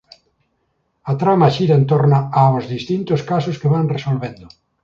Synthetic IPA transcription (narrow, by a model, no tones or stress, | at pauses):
at̪ɾamaʃiɾaent̪oɾnaaozðist̪int̪oskasoskeβaŋresolβend̪ʊ